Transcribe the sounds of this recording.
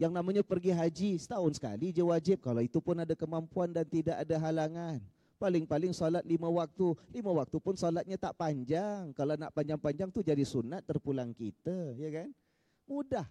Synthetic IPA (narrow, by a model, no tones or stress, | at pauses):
jaŋnamaɲapərɡiɦad͡ʒisə̥t̪aɦʊnsə̥ka̰lid͡ʒəwad͡ʒɪp̚kalawit̪upʊnadakəmampuandant̪idaʔadaɦalaŋan | palɪŋpalɪŋsolat̪̚liməwak̚t̪uliməwak̚t̪upʊnsolat̪̚ɲat̪aʔpaɲd͡ʒaŋkalanaʔpaɲd͡ʒaŋpaɲd͡ʒaŋt̪ud͡ʒadisunat̪ːərpulaŋkḭt̪ajakan | mudah